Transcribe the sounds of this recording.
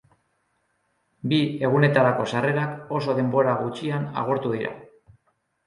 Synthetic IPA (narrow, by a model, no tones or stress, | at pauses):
bie̞ɣ̞une̞t̪aɾako̞sare̞ɾako̞so̞ðe̞mbo̞ɾaɣut͡ʃiana̰ɣ̞oɾt̪uðiɾa̰